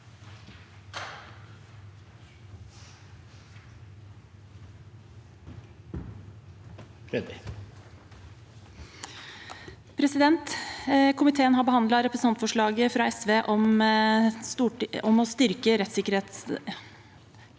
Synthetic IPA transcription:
ɛ | pʰɾɛsɪd̪ɛnt̪kʰʊmɪt̪ʰeːənɦɑɾbəhɑnd̪lɑɾɛpɾəsɑnt̪fɔʂɭɑːɡəfɾɑɛsʋeːʔɔm | ɔmɔst̪ʏɾkəɾɛt̪sɪkəɾheːt̪s

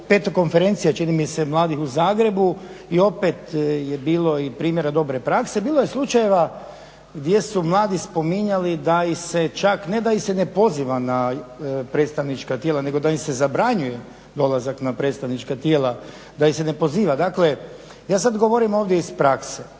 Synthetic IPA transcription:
pe̞t̪oko̞nfe̞ɾe̞nt̪sijat͡ʃinimisemlˠaːd̪ixuzaːɡɾe̞bu | io̞pe̞t̪jebiːlˠo̞ipɾiːmje̞ɾad̪o̞bɾe̞pɾakse̞biːlˠoje̞slˠut͡ʃaje̞ʋa | ɡd̪ʲje̞sumlˠaːd̪ispo̞miɲalid̪aise̞t͡ʃakne̞d̪aisenepo̞ziʋanapɾet̪st̪aʋnit͡ʃkat̪jeːlane̞ɡo̞d̪aisezabɾaɲuje̞ | d̪o̞lazaknapɾet̪st̪aʋnit͡ʃkat̪je̞ːla | d̪aise̞ne̞po̞ziːʋad̪akle̞ | jaːsad̪ɡo̞ʋo̞ɾimo̞ːʋd̪ʲjeispɾakse

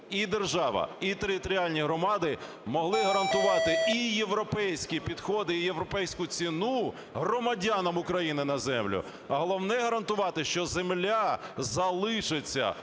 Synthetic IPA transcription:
id̪erʒɑʋɐ̰it̪eɾʲɪt̪ɔɾʲialʲnʲiɦɾɔmɑd̪ɪ | mɔɦlˠɪɦɐɾɐnt̪ʊʋɑt̪ɪijeʋɾɔpɛjsʲkʲipʲid̪xɔd̪ɪijeʋɾɔpɛjsʲkʊt͡sʲinu | ɦrɔmɐdʲanɐmʊkɾɐjinɪnɐzɛmlʲʊ̰ | ɐɦɔlˠɔwnɛɦɐɾɐnt̪ʊʋɑt̪ɪʃt͡ʃɔzemlʲazɐlˠɪʃet͡sʲːɐ̰

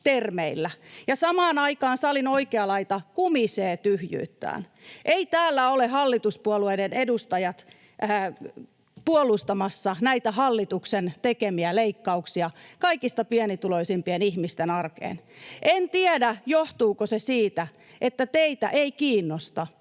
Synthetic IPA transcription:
t̪ermeilːæjɑsɑmɑːnɑikɑːnsɑlinoikeɑlɑit̪ɑkumiseːt̪yhjy̰ːt̪ːæ̰ːn | ʔeit̪æːlːæolehɑlːit̪uspuɔlueidenedust̪ɑjɑt̪ː | puolˑust̪ɑmɑsːɑnæit̪æhɑlːit̪uksent̪ekemiæleikːɑuksiɑkɑikist̪ɑpiænit̪uloisimpienihmist̪enɑrkḛːnʔent̪iædæjoht̪uːkosesiːt̪æ | ʔet̪ːæt̪eit̪æ̰ʔeikiːnːost̪ɑ

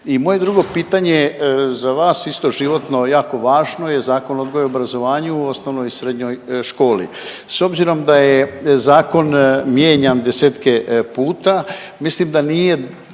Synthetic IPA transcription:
imo̞jed̪ɾuɡo̞piːt̪aɲe̞zaʋaːsist̪o̞ʒiʋo̞t̪no̞jaːko̞ʋaːʒno̞je̞zaːko̞no̞d̪ɡojeobɾazo̞ʋaːɲuuo̞sno̞ʋnojsɾe̞d̪ɲo̞jʃko̞ːlḭ | so̞bziɾo̞md̪ajezaːko̞nmje̞ːɲamd̪e̞seːt̪ke̞puːt̪a | mislimd̪aniːje̞

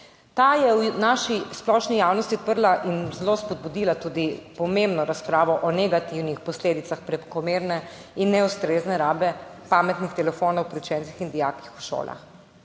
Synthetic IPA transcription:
t̪ajɛwnaʃisplɔʃnijawnɔst̪iɔt̪̚pəɾlaʔinzlospɔd̪̚bud̪iːlat̪uːd̪ipɔmembnɔɾaspɾaːʋɔʔɔnɛɡat̪iwnixpɔsleːd̪it̪saxpɾɛpkɔmeːɾnɛinːɛust̪ɾeːznɛɾaːbɛpamɛt̪nixt̪ɛlɛfoːnowpɾiwt͡ʃɛːnt̪sixind̪ijaːkixu̥ʃo̰ːla̰x

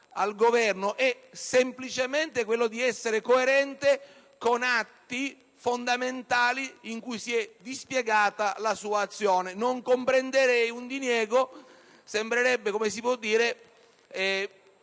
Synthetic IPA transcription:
alɡovɛrnoʔɛ | semplit͡ʃement̪ekwelːod̪iɛsːeɾekoeɾɛnt̪e | konat̪ːi | fond̪ament̪aːliiŋkujsiɛd̪ispjeɡaːt̪alasuːaːt̪sːjoːnenoŋkompɾend̪eɾɛjund̪injɛːɡo | sembɾeɾɛbːekomesipwɔd̪ːiːɾe | ɛ

